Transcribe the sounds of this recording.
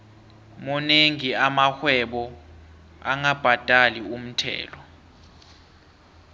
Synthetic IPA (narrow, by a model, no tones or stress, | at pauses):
mɔneŋiamaxwɛɓɔ | a̰ŋab̥ʱad̥ʱʼalium̩tʰɛ̰ːlɔ